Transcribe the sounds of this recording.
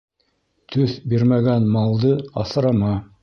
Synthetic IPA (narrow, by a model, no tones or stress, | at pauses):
t̪ʰɵθbiɾmæɡænmɑlˠd̪ɤɑ̰θ̆ɾɑmɑ